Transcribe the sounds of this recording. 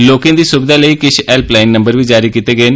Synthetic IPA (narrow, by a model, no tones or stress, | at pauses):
loːkẽd̪iːsʊbɪd̪aːləikɪt͡ʃʰɛːlplaːɪnːə̃mbəɾʋiːd͡ʒaːɾikiːt̪eɡəeːnɪ